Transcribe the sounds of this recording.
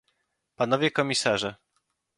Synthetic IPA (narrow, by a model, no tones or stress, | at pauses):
panɔvʲjɛkɔmʲisaʐɛ